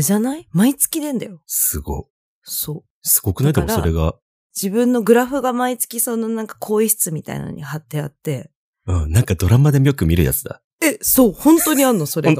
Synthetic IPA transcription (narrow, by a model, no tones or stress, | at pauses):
ʑanaimait͡sɨ̥kʲid̪ẽ̞nd̪ajo̞sɨɡo̞̰ | so̞ː | sɨ̥ɡo̞kɯ̟naid̪emoɾso̞ɾe̞ɡa | d͡ʑibɯ̟̃nːo̞ɡɯ̟ɾaɸɯ̟ɡamait͡sɨ̥kʲiso̞no̞nãŋkḁkʰoːisɨ̥t͡sɨmʲit̪a̰ḭna̰no̰ɲ̟ihat̪ːe̞at̪ːe̞ | ɯ̟̃nãŋkad̪o̞ɾamad̪e̞mjokɯ̟mʲiɾɯ̟ja̰t͡sɨd̪a̰ | e̞soːhõ̞nt̪o̞ɲ̟ianːoso̞ɾeɡ